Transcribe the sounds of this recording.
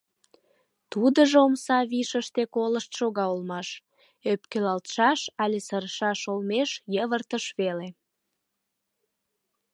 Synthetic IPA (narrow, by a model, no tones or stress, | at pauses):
t̪ud̪əʒomsɑβiʃəʃt̪ekoləʃt̪ʃoɣɑolmɑʃ | øpkelɑlt̪ʃɑʃɑlʲesəɾəʃɑʃolmeʃjəβərt̪əʃβele